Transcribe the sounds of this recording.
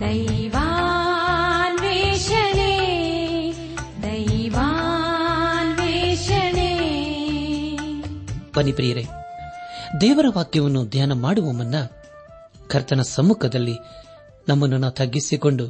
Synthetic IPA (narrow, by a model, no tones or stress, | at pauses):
d̪ɐjʋa | nʋiʃɐɳi | d̪ɐjʋa | nʋiʃɐɳi | pɐnipɾijɐɾe | d̪ɛːʋɐɾɐʋaːk̪jɐʋɐnːud̪ʱjaːnɐmaːɽuʋɐmɐnːɐ | kʰɐɾt̪ɐnɐsɐmːukʰɐd̪ɐlːi | nɐmːɐnːunaːt̪ʰɐɡːisikoɳɖu